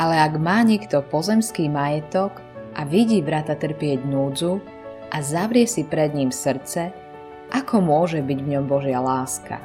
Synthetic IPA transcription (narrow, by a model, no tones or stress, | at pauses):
ʔalɛaɡmaːɲɪɛkt̪ɔpɔzɛmskiːmajɛt̪ɔk | ʔaʋiɟiːʋɾat̪at̪r̩pɪɛɟnuːd͡zu | ʔazaʋɾɪɛsipɾɛd̪ɲiːmsr̩t͡sɛ | ʔakɔmʊɔʒɛbiɟʋɲɔmbɔʒɪalaːska̰